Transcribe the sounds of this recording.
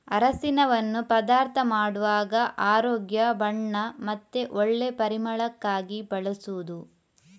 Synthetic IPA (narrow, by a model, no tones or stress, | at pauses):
ɐɾɐsinɐʋɐnːupɐd̪aːɾt̪ʰɐmaːɽuʋaːɡɐʔaːɾoːɡjɐbɐɳːɐmɐt̪ːeʔoɭːe̞pɐɾimɐɭɐkːaːɡibɐɭɐsuʋud̪u